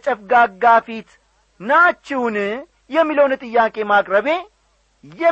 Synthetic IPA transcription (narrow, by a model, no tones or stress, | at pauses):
t͡ʃʼɛfɡaːɡaːfit̪ | naːt͡ʃːɪwn | jɛmːiləwnt̪ʼɨjːaːkʼe̞maːkʼɾəβe̞ | jɛ